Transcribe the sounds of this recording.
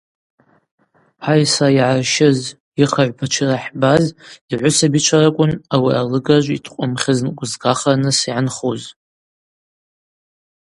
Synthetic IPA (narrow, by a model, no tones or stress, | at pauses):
ħajsaiʕarʃɪz | iχaʕʷpʰat͡ʃʰɪraħbaziʕʷʊsabit͡ʃʷʰaɾakʷʼʊnawialɨɡʼaʒʷitʰqʷʼʊmχʲɪznkʷʼʊzɡaχanɨsiʕanχuz